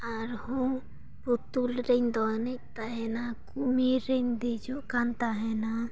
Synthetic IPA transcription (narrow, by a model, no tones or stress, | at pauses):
aɾhõ | put̪ulɾend̪ɔnet̪aɦɛnakumiɾend̪ed͡ʒokant̪aɦɛna